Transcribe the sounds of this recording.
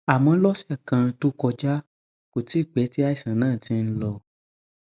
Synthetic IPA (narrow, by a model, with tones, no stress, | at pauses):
a˨mɔ̃˧˦lɔ˦sɛ˦˨kã˧to˦kɔ˧d͡ʒa˦ | ko˨ti˨˦˨k͡pɛ˨˦ti˦a˦i˦˨sã˨˦nãː˦˨tĩ˧n̩˦lɔ˧